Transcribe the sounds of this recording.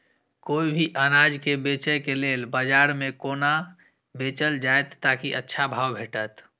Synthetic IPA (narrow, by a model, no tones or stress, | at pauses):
koːibʱiʔənad͡ʒkebet͡ʃəkeleːlbad͡ʒaːɾmẽkoːna | beːt͡ʃəld͡ʒaet̪ːakiʔətːʃʰabʱaːwbʱeːʈət̪